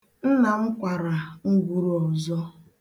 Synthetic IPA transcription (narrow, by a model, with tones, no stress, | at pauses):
n̩˦na˨m̩˦kʷa˨ɾa˨ŋ̩˦ɡʷu˦ɾu˦ɔ˨zɔ˦